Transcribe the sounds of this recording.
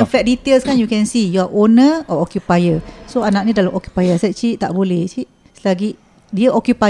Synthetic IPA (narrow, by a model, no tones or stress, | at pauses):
ɛ̃fɛt̚dit̪elskanjukɛ̃nsijuaʔonəɔɔkjupajəsoanak̚nĩdalamʔɔkju̥pajəsɛt͡ʃiʔt̪aʔbolɛht͡ʃiʔ | slaɡiʔ | diəʔɔkjupa